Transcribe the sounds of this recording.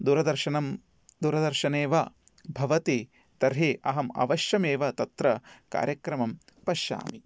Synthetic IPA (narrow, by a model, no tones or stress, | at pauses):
d̪uːɾɐd̪ɐɾʃɐnɐm | d̪uːɾɐd̪ɐɾʃɐneːʋɐ | bʱɐʋɐt̪i | t̪ɐɾɦiʔɐ̰ɦɐmɐ̰ʋɐʃjɐmeːʋɐt̪ɐt̪ɾɐka̰ːɾjɐkɾɐmɐm | pɐʃa̰ːmi